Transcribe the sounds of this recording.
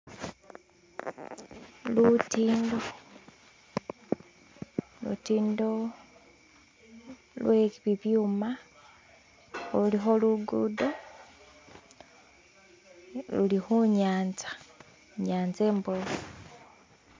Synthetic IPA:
lutiːndo | lṵtiːndo | lwʔeβiβjuːma | ulixo̞luɡudo | lulixuɲaːnzḁ | ɲaːnze̞ːmbolo

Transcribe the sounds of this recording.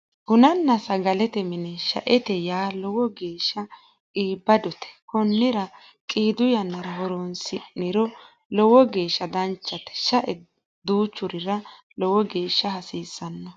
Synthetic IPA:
hʊnɐnːɐsɐɡɐlɛt̪ɛmɪnɛʃɐ̰ʔɛt̪ɛjaːlɔwɔɡe̞ːʃːɐ | iːbːɐd̪ɔt̪ɛ̥kɔnːɪɾɐ | kʼiːd̪ʊjɐnːɐɾɐɦɔɾonsɪnːɪɾɔ | lɔwɔɡe̞ːʃːɐd̪ɐnt͡ʃːɐt̪ɛ̥ʃɐʔɛ | d̪uːt͡ʃːʊɾɪɾɐ | lɔwɔɡeːʃːɐɦɐsiːsːɐnːɐ

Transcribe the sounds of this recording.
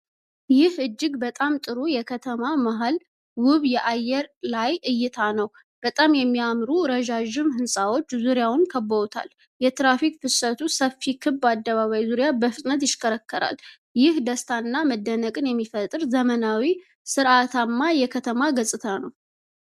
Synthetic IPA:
jɪhɨd͡ʒːɪɡbət̪ʼamt̪ʼɨɾujɛkʰət̪ʰəmamaɦal | wʊβjɛʔajːɛɾlajʔɨjːɪt̪ʰanəw | b̥ət̪ʼamjɛmːiamɾuɾəʒaʒɪmhɨnsʼawo̞t͡ʃːzuɾjawʊnkʰəbːəot̪ʰa̰l | jɛt̪ɾafik̚fɨsət̪ʰusəfːikʰɨbːad̪ːəβaβajzuɾjabəfɨt̪ʼnət̪̬jɪʃkʰʼəɾəkːəɾa̰l | jɪhd̪əst̪ʰanːaməd̪ːənəkʼɨnjɛmːifət̪ʼɨɾzəmənawi | sɨɾʔat̪ʰamːajɛkʰət̪ʰəmaɡəsʼɨt̪ʰanəw

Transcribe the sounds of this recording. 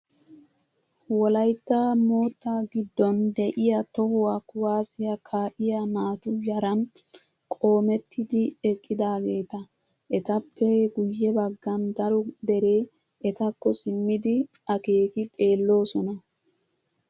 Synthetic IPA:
wɔlɐjt̪ːamo̞ːt̪ːaɡɪd̪ːɔnd̪ɛʔɪjɐt̪ɔhʊwakʊwaːsɪjɐkʰaːʔɪjɐnaːt̪ʊjɐɾɐn | kʼo̞ːmɛt̪ːɪd̪ɪɛkʼːɪd̪aːɡe̞ːt̪ɐ | ʔɛt̪ɐpːɛɡʊjːɛbɐɡːɐnd̪ɐɾɔd̪ɛɾe̞ː | ʔɛt̪ɐkːɔsɪmːɪd̪ɪɐke̞ːkɪtʼe̞ːlːo̞ːsɔnɐ

